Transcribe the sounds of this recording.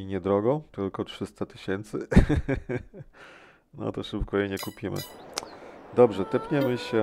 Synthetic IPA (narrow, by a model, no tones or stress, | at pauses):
iɲɛd̪ɾɔɡɔ̃t̪ɘlkɔtʂɘst̪at̪ɘ̥ɕɛnt̪sɘ̰ | nɔ̰t̪ɔʂɘpkɔjɛɲɛkupʲimɘ̰ | d̪ɔbʐɛt̪ɛpʲɲɛmɘɕɛ